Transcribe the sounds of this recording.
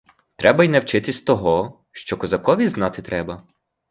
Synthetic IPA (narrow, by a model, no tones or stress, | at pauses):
t̪ɾɛbɐjnɛwt͡ʃɪt̪ɪst̪ɔɦɔ | ʃt͡ʃɔkɔzɐkɔʋʲiznɑt̪ɪt̪ɾɛbɐ